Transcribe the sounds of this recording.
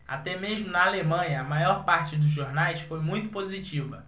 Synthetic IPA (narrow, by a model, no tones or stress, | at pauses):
a̰t̪ɛmeʒmʊnɐalemɐ̃ɲɐːmajɔɾpaɾt͡ʃɪd̪ʊzʒoɾnajsfojmũj̃t̪ʊpozit͡ʃivɐ